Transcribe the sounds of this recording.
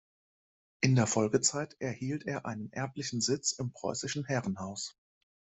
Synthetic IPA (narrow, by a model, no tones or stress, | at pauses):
ʔɪndeːɐfɔlɡət͡saɪtʔɛɐhiːltʰeːɐʔa̰ɪnənʔɛɐplɪçn̩zɪt͡sɪmpʁ̥ɔ̰ʏsɪʃn̩hɛʁən̩ɦaʊs